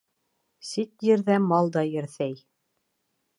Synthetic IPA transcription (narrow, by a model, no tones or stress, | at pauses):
sit̪jɘ̆ɾðæmɑlˠd̪ɑjɘ̆ɾθæj